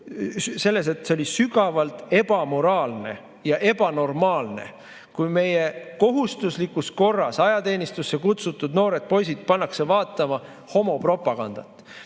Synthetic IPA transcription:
se̞lːe̞s̬e̞t̪seo̞lʲisyɡɑvɑlt̪ˑe̞b̥ɑmo̞ɾɑːlne̞̰ | jɑʔe̞b̥ɑno̞rmɑːlne̞̰ | kujme̞je̞ko̞ɦust̪uslikːˑusko̞rːɑsɑjɑt̪e̞ːnʲist̪usːekut̪sut̪ːˑud̪no̞ːɾe̞t̪̚po̞jsid̪̚pɑnːɑkse̞vɑːt̪ːˑɑmɑ | ho̞mo̞pro̞pɑɡ̥ɑnd̪̥ɑ̰t̪ːˑ

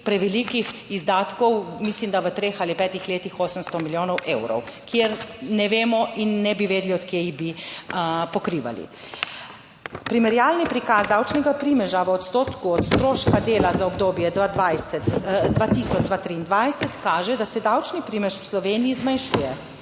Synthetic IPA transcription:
pɾɛʋɛlikixizd̪aːt̪kɔwmislimd̪aʋət̪ɾeːxalipɛːt̪ixleːt̪ixoːsəmst̪ɔmiljoːnɔwʔeːwɾɔ̰wkjeɾnɛʋeːmɔʔinːɛbiʋeːd̪liɔt̪keːiɣbi | pɔkɾiːʋa̰lḭ | pɾimɛɾjaːlnipɾikazd̪awt͡ʃnɛɡapɾiːmɛʒaʋəɔt̪st̪oːt̪kuɔt̪st̪ɾoːʃkad̪eːlazaɔbd̪oːbjɛd̪ad̪ʋajsɛt̪d̪ʋat̪isɔd͡ʒd̪ʋat̪ɾiːnd̪ʋajsɛt̪kaːʒɛd̪asɛd̪awt͡ʃnipɾiːmɛʃwslɔʋeːniizmanʃuːjɛ

